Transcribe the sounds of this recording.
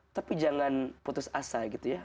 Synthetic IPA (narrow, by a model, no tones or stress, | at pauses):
t̪apid͡ʒaŋanput̪ʊsasaɡit̪uja